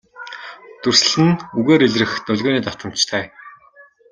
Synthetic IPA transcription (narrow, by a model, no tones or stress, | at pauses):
t̪urs̆ɮɘ̆nuɣeːɾeɮrɘ̆xt̪ɔɮʲɣoːniːt̪ḁt̪ə̆m̥t͡ɕt̪ʰæː